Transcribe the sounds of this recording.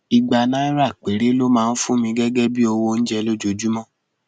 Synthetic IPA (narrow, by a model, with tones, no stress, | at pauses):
i˧ɡ͡ba˧nã˦i˦ɾa˦˨k͡pe˨ɾe˦lo˦mãː˦˧˦n̩˦fũ˦mĩ˧ɡɛ˦ɡɛ˦bi˦o˧wo˧ñ̩˦d͡ʒɛ˧lo˦d͡ʒo˧d͡ʒu˦mɔ̃˦